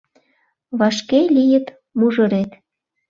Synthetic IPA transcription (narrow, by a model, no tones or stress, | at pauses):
βɑʃkelʲijə̆t̪ | muʒə̆ɾet̪